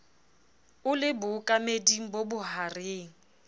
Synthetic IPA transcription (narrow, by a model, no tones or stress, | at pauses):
ʊlɪbʊkʼamediŋ̩bobʊɦareːŋ̩